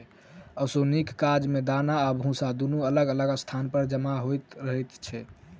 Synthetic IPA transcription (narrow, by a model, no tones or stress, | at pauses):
əsonikːad͡ʒmed̪anaːbʱũsad̪unuələɡələɡəst̪ʰanpəɾd͡ʒəmaɦojt̪ɾəɦɛt̪t͡ʃʰɛ